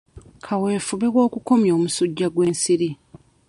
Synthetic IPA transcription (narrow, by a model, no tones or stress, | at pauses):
kʰawe̞ːfuβewo̞ːkuko̞mjo̞ːmusuɟːaɡwe̞ːnsiɾi